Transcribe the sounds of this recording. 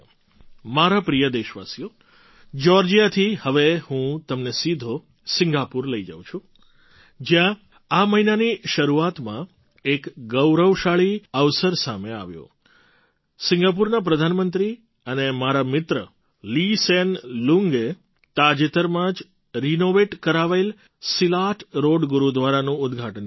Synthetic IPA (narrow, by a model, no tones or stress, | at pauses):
maɾapɾijəd̪eʃʋa̰sijo | d͡ʒɔɾd͡ʒijat̪ʰihəʋehũt̪əmnesid̪ʱo | sɪ̃ŋɡapuɾləid͡ʒa̰ʋ̃t͡ʃʰũ | d͡ʒjã | aməɦinaniʃəɾuat̪mã | ekɡəwɾəʋʃaɭiəʋsəɾsamea̰ʋjõ̰ | sɪŋɡap̬uɾnap̬ɾəd̪ʱanmənt̪ɾi | ənemaɾamɪt̪ɾə | lisenluŋɡe | t̪ad͡ʒet̪əɾmãd͡ʒ | ɾinoʋeʈkəɾaʋail | silaʈʰɾoɽɡuɾud̪ʋaɾanũʊd̪ɡʱaʈən